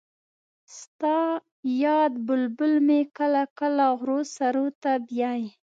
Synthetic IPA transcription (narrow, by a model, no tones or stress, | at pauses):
st̪ɑ | jɑd̪bʊlbʊlmekəlakəlaɣɾosaɾot̪abjɑj